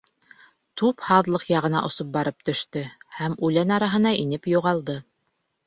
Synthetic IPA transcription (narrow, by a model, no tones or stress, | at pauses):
t̪uphɑðlˠɤqjɑʁɤ̆nɑ̰ʔŏsop̚bɑɾɤp̚t̪ɵ̆ʃt̪ɵhæmʉlænɑɾɑɦɤ̆n̪ɑʔinɘpjuʁɑlˠd̪ɤ